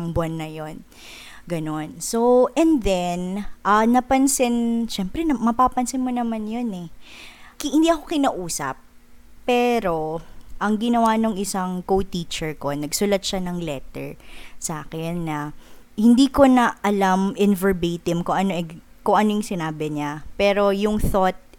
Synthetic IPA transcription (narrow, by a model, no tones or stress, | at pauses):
ŋbwanːɐjo̞n | ɡɐno̞nsoʔɛnd̪ɛnʔɐnɐpɐnsɪnʃɛmpɾɛnɐmɐpaːpɐnsɪnmonɐmanjonɛ | khɪnd̪iːʔɐko̞kɪnaʔuːsɐ̰pː | ɛːɾo̞ʔɐŋɡɪnɐwanoŋʔɪsaŋkowt̪iːt͡ʃɛɹko̞nɐɡsʊlɐt̪̚ʃanɐŋlɛt̪ɛ̰ɹsaːkɛnːɐhɪnd̪iːko̞nɐʔɐlamʔɪnvɛɹbeːt̪ɪmkoŋʔɐnoʔɛɡ | koŋʔɐnojʊŋsɪnaːbɪɲapɛːɾo̞jʊŋθot̪̚